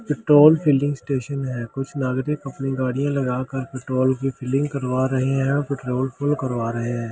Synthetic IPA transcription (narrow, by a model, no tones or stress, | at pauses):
pɪʈɾoːlpʰiːlɖɪ̃ŋɡsʈeːʃənɦɛːkʊt͡ʃʰnaːɡɾɪkɐpniɡaːɽijãlɐɡaːkəɾpɪʈɾoːlkipʰɪːlɖɪ̃ŋɡkɐɾʋaːɾɐɦeɦɛ̃ɔpɪʈɾoːlfʰʊlkɐɾʋaːɾɐɦeɦɛ̃ː